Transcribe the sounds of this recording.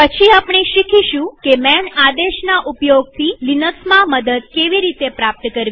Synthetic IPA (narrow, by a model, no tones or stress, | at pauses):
pət͡ʃʰiapɳ̃iʃikʰiʃũkemɛɳad̪eʃnaʔupjoɡ̚t̪ʰilinəksmaməd̪əd̪̚keʋiɾit̪epɾap̚t̪əkəɾʋi